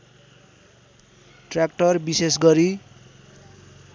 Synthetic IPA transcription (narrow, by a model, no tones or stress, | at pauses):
ʈrakʈʌrbisesɡʌɾi